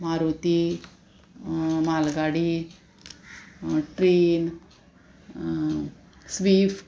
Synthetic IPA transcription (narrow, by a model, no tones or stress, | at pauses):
maɾot̪i | malɡaɽi | ʈɾen | sʋif